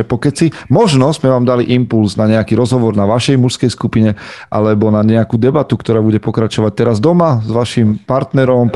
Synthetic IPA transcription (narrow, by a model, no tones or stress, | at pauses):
ɛpɔkɛt͡simɔʒnɔzmɛʋaːmd̪aliʔimpulsnaɲɛakiɾɔzɦɔʋɔɾnaʋaʃɛjmuʃskɛjskupiɲɛʔa̰lɛbɔnaɲɛakuːd̪ɛbat̪ukt̪ɔɾaːbuɟɛpɔkɾat͡ʃɔʋac̚t̪ɛɾazd̪ɔmazʋaʃimpaɾt̪nɛɾɔm